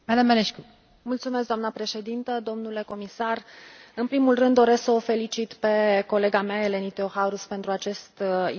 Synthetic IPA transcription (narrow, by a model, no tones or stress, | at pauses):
mad̪amːeleʃku | mult̪sume̞s̬̚d̪oamnəpɾe̞ʃe̞d̪int̪əd̪o̞mnule̞ko̞misarɨnpɾimulrɨnd̪ːo̞ɾesksəofe̞lit͡ʃit̪pe̞ko̞le̞ɡameae̞le̞nit̪ohaɾuspe̞nt̪ɾuat͡ʃe̞st̪